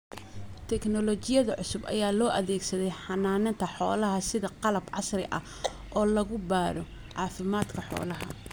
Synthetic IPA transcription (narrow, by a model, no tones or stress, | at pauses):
t̪ʰɛknɔlɔt͡ʃɪjɐðɐʕʊsʊbɐ̰jaːlɔːʔɐðɛːɡsɐðɛjħɑnaːnɐnt̪ʰɐħɔ̰ːlɐɦɐsɪðɐqɑlɐbʕɑ̰srɪʔɐ̰ | ʔɔːlɐɣʊbaːɾɔ | ʕɑːfɪmaːd̪kʰɐħɔ̰ːlɐɦɐ̰